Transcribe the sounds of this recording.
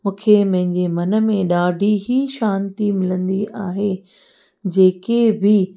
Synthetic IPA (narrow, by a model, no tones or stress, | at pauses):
mũːkʰemɐ̃ɦɪ̃ɲd͡ʑemɐnə̆mẽɗaːɖʱiɦiʃãːnt̪imɪlə̃nd̪iʔaːɦe | d͡ʑeːkebɪ